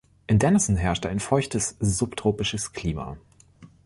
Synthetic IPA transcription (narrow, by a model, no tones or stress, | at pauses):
ʔɪndɛnəsn̩ɦɛɐʃtaɪnfɔʏçtəsz̥uptʰʁ̥oːpɪʃəskʰl̥iːma̰